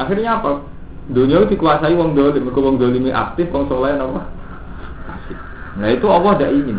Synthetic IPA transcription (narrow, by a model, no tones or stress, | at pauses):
axirɲaapa | d̪o̤nɔud̥̪i̤kuasaiwɔŋd̪olimikowɔŋd̪olimiʔa̰k̚t̪ɪfwɔŋsolajanɔkɔh | pasɪ | ŋɡait̪uɔwɔhdaʔini